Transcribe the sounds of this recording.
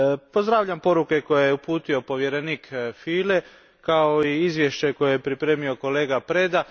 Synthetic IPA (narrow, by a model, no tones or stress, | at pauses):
po̞zd̪ɾaːʋʎampo̞ɾuke̞ko̞jejeupuːt̪io̞po̞ʋjeɾeniːkfiːle̞ | kao̞iizʋje̞ʃt͡ɕeko̞jejepɾipɾe̞ːmio̞ko̞le̞ːɡapɾe̞d̪a